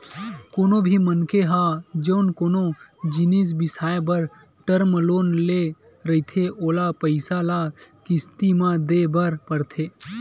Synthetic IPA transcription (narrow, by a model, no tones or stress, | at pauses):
koːnõbʱimənkeɦad͡ʒənkoːnõd͡ʒɪnis̬bɪsaːebəɾ | ʈəɾmloːnle | ɾəit̪ʰeʔoːlapəɪsalakɪst̪imãd̪eːbəɾpəɾt̪ʰeː